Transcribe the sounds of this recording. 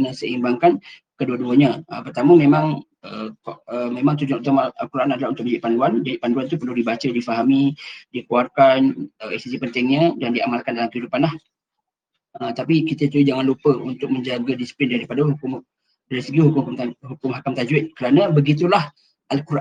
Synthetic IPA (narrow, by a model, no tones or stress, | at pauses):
nəsəimbaŋkankəduəduəɲəəpərt̪aməmẽmãŋ | ə̰kəmemãŋt̪ud͡ʒʊŋut̪amalkuɾaʔanadalahunt̪ʊkməɲd͡ʒaiʔpanduandiʔpanduant̪upərludibat͡ʃədifaɦamidikuarkanəisisipənt̪ɪŋɲədandiamalkandalamkəɦidupanlah | ət̪apikit̪ət̪uid͡ʒaŋanlupəunt̪ʊk̚məɲd͡ʒaɡadisi̥plɪndaɾipadaɦukʊm | daɾisəɡihukʊmaɦukʊmɦakamt̪ad͡ʒuɪt̪̚kəɾanəbəɡit̪̬ulah | ʔalkuɾaʔ